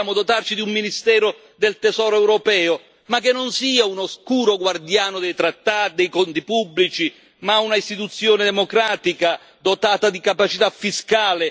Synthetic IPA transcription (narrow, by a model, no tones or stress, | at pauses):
aːmʊd̪ot̪art͡ʃid̪iumːinist̪ɛːɾʊ | d̪elt̪ɛzɔːɾoɛwɾɔpɛːʊ | makːenːonsiːaunoskuːɾoɡward̪jaːnʊd̪ɛjt̪ɾat̪ːaːt̪d̪ɛjkɔnt̪ipubːlit͡ʃi | maunaist̪it̪ut̪sːjoːnɪd̪ɛmokɾaːt̪ika | d̪ot̪aːt̪ad̪ikapat͡ʃit̪afːiskaːlɪ